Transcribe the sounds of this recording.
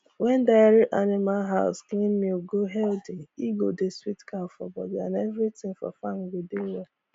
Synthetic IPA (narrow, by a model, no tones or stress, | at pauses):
wɛndaɾɪʔanɪmalɦaʊsklimmioɡoɦɛldiiɡodeswitkafɔ̰bɔ̰dã̰nevɾitɪ̃ŋfɔ̰faŋ̩ɡedewɛ